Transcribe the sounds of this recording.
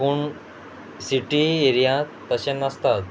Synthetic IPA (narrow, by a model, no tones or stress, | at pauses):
uːɳ | siʈieɾijãt̪əɕenəst̪at̪̚